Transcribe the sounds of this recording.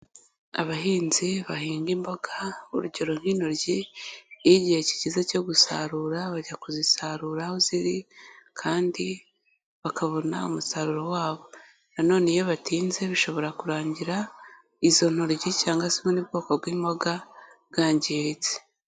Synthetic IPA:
a̰βaɦiːnziβaɦiːŋɡimbo̞ɡaṵɾuɟo̞ɾo̞ŋ̥hinoɾɟi | iɟihe̞ci̥ɟizeco̞ɡusa̰ɾuɾaβaɟakuzisaɾuɾahoziɾikʰaːndi | βakaβo̞na̰ṵmusaɾuɾowaːβo̞ | nano̞ːne̞jeβatiːnze̞βiʃo̞βo̞ɾakuɾaːɲɟiɾa | izo̞n̥oɾɟicaːŋɡasimonib̚ɡoːkob̚ɡiːmbo̞ɡaβɡaːɲɟiɾit͡se̥

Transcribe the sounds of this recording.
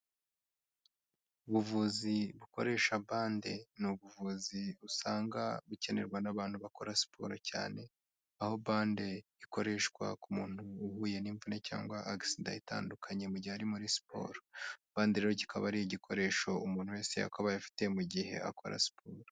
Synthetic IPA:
uβuvuziβuko̞ɾe̞ːʃabaːnde̞nuβuvuziusaːŋɡaβuce̞ne̞̰ɾɡwanaβaːn̥huβako̞ɾasi̥pʰoːɾoca̰ːne̞ | aho̞baːnde̞iko̞ɾe̞ʃkwa̰kumuːn̥huːhuːje̞niːɱvuneca̰ːŋɡwaʔaɡisinda̰ita̰ːndukʰaɲemuɟihaɾimuɾisi̥po̞̰ːɾobaːndiɾeɾoci̥kʰa̰βaɾijiɟikʰo̞ɾe̞ːʃo̞umuːnhuwe̞ːse̞ja̰koβajafi̥te̞muɟihe̞̰a̰ko̞ɾa̰si̥pʰoːɾo

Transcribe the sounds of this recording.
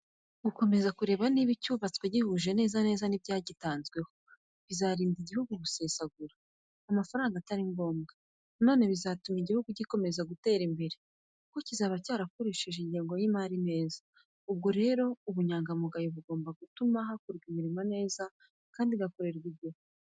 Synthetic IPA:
ɡ̥uko̞me̞zakuɾe̞ːβaniβicuːβat͡sweɟihuʒe̞ne̞ːzane̞ːzanibɟaːɟitaːnzɡwe̞ho | βizaːɾiːndiɟihuɡuβuse̞saɡuɾaː | mafaɾaːŋɡataɾiŋɡo̞ːmɡa | no̞ːne̞βizatumiɟihuɡuɟiko̞me̞zaɡute̞ːɾimbe̞ɾe | ko̞cizaːβacaːɾakuɾiʃiʒeɲɟiːŋɡo̞jimaɾine̞ːzḁ | ub̚ɡo̞ɾe̞ːɾo̞uβuɲaːŋɡamuɡajoβuɡo̞ːmbaɡutumaɦakuɾɡimiɾimane̞ːza | kaːndiɡako̞ɾe̞ɾɡibɟo̞

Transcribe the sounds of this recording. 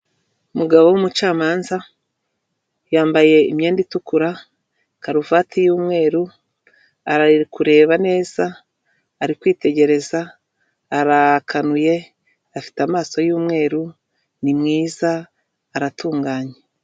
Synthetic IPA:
umuɡaβo̞wumut͡ʃaːmaːnza | jaːmbaje̞ḭmje̞ːnditukuɾa | kaɾuvatʰijuːmŋe̞ːɾu | aɾakuɾe̞ːβane̞ːz̥aː | ɾikwiːte̞ɟe̞ɾe̞zaː | ɾakʰanuje̞ | afi̥tamaːso̞juːmŋe̞ːɾu | nimŋiːzaː | ɾatuːŋɡaːɲe

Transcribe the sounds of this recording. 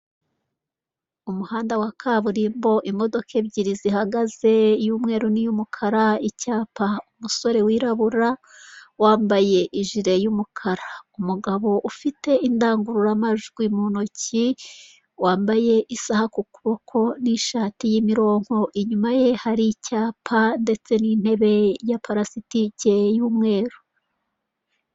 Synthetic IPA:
umuhaːndawakʰaːβuɾimbo̞ʔimo̞do̞ke̞bɟiɾizihaɡaze̞juːmŋe̞ːɾunijumukʰaɾaicaːpaumuso̞ɾe̞wiːɾaβuɾa | waːmbaje̞ʔiʒiɾe̞jumukʰaɾaumuɡaβo̞ʔufite̞ʔindaːŋɡuɾuɾamaʒuɡwimunoci | waːmbaje̞ʔisahakukuβo̞kʰo̞niʃaːtijimiɾo̞ːŋ̥ho̞ʔiɲumaje̞haɾicaːpʰande̞t͡se̞nin̥he̞βe̞japaɾasitice̞juːmŋe̞ːɾu

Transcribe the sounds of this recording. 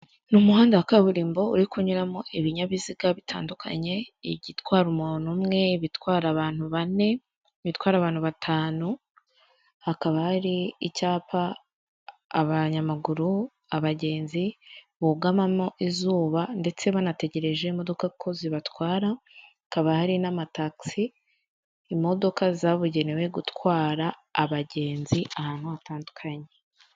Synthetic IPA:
numuɦaːndawakaβuɾiːmbo̞ṵɾikuɲuɾamoʔiβiɲaβiziɡaβitʰa̰ːndukʰa̰ɲe̞iβɟitwaːɾumuːnumŋe̞βitwaːɾaβaːn̥huβane̞ | βitwaːɾaːβaːn̥huβatʰaːnu | akaβahaɾiicaːpaː | βaɲamaɡuɾu | aβaɟe̞ːnzi | βoɡamamo̞ʔizuːβande̞t͡se̞βanate̞ɟe̞ɾe̞ʒe̞imo̞do̞kakʰo̞ziβatwaːɾa | kaβahaɾinamataksiː | mo̞do̞kazaβuɟe̞newe̞ɡutwaːɾaːβaɟe̞ːnziʔahaːn̥huataːndukʰaɲe

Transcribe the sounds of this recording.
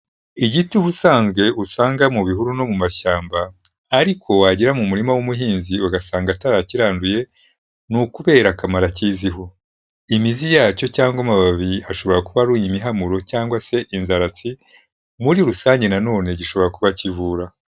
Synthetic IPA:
iɟituβusaːnzɡwe̞ʔusaːŋɡamuβihuɾuno̞mumaʃaːmbaː | ɾikʰo̞waɟiɾamumuɾimawumuɦiːnziwaɡasaːŋɡataɾaciɾaːnduje̞ | nukuβe̞ːɾakamaɾaciːziɦo̞ | imizijaːco̞caːŋɡwamaβaβiaʃo̞βo̞ɾakuβaɾuːɲimiɦamuɾo̞caːŋɡwase̞ʔinzaɾat͡si | muɾiɾusaːɲɟe̞nano̞ːne̞ɟiʃo̞βo̞ɾakuβacivuːɾa

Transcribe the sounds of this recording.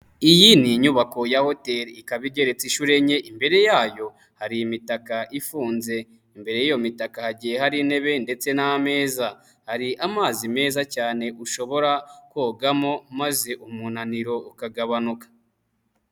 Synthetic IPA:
ijiniɲuβako̞jaho̞te̞ɾikaβiɟe̞ɾet͡siʃuɾe̞ɲe̞ʔimbe̞ɾe̞jaːjo̞ | haɾiimitakaʔifuːnze̞ | imbe̞ɾe̞jijo̞mitakahaɟijehaɾine̞βe̞nde̞t͡se̞naame̞ːza | haɾiʔamaːzime̞ːzacaːne̞ʔuʃo̞βo̞ɾakoːɡamo̞maze̞ʔumunaniɾo̞ukaɡaβanukḁ

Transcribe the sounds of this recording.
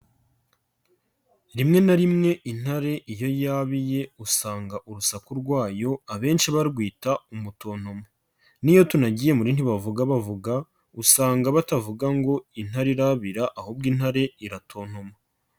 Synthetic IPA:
ɾimŋe̞naɾimŋe̞ʔin̥haɾe̞ʔijo̞jaβije̞usaːŋɡaʔuɾusakuɾɡwaːjo̞aβe̞ːnʃiβaɾɡwiːtaumuto̞ːn̥homa | nijo̞tunaɟije̞muɾiːnhiβavuɡaβavuɡa | usaːŋɡaβatavuɡaŋɡo̞in̥haɾiɾaβiɾaʔahob̚ɡiːn̥haɾe̞iɾatʰo̞ːn̥homa

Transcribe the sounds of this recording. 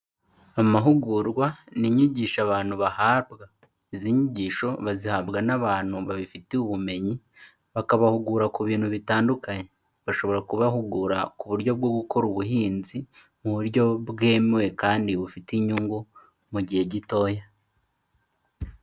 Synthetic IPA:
amaɦuɡuɾɡwaniɲiɟiːʃaβaːn̥huβahaːbɡa | iziɲiɟiːʃo̞βazihabɡanaβaːn̥huβaβifiteuβume̞ɲi | βakaβahuɡuɾakuβiːn̥huβitaːndukaɲe̞ | βaʃo̞βo̞ɾakuβahuɡuɾakuβuɾɟo̞b̚ɡo̞ɡukʰo̞ɾuβuhiːnzi | muβuɾɟo̞bɡe̞ːmewe̞kaːndiβufitiɲuŋɡu | muɟihe̞ɟito̞ja

